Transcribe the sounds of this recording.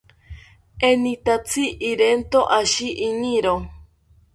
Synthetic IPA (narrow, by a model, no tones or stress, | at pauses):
enĩt̪at͡sʰiʔiɾent̪oʔaʃiʔiniɾo